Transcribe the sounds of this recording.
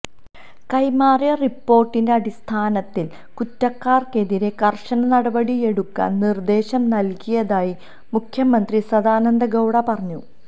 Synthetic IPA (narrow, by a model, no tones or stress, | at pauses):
kɐjmaːrjɐripːo̞ːrʈːinde̞ɐɽist̪ʰaːnɐt̪ːil | kutːɐkːaːrke̞ðiɾe̞kɐrʂɐnɐnɐɽɐbɐɽie̞ɽukːɐ̰ːnnird̪e̞ːɕɐmnɐlkijɐðaːji | mukʰjɐmɐnd̪risɐd̪aːnɐnd̪ɐɡɐwɽɐpɐrɐɲːu